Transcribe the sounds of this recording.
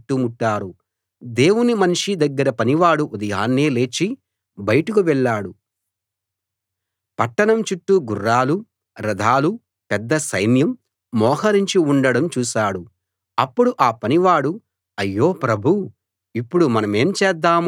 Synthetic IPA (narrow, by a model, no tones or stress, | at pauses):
ʈːumuʈːaːɾu | d̪e̞ːwunimɐniʂid̪ɐɡːɐɾɐpɐniʋaːɽuʔud̪ɐjaːnːeːle̞ːt͡ʃi | bɐjɐʈukuʋɛɭːaːɽu | pɐʈːɐɳɐmt͡ʃuʈːuɡurːaːlu | ɾɐd̪ʱaːlu | pɛd̪ːɐsɐjnjɐmː | ɔːɦɐɾiɲt͡ʃiuɳɖɐɽɐmt͡ʃuːʃaːɽu | ɐpːuɽuʔaːpɐniʋaːɽu | ɐjːo̞ːpɾɐbʱu | ipːuɽumɐnɐme̞ːmt͡ʃɛːd̪ːaːm